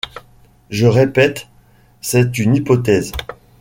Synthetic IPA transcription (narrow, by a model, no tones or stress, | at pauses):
ʒəʁepɛt̪ | sɛt̪ynipɔt̪ɛz